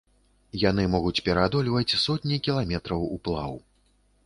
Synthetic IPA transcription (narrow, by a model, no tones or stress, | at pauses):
janɨmɔɣut͡sʲpʲɛɾad̪ɔlʲvɐt͡sʲsɔt̪ʲnʲikʲilˠamʲɛt̪ɾɐwuplˠa̰w